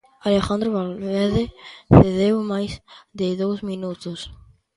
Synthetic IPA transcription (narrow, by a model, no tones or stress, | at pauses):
alexand̪ɾoβalβeɾðeθeðewmajsðɪðowzmĩnut̪os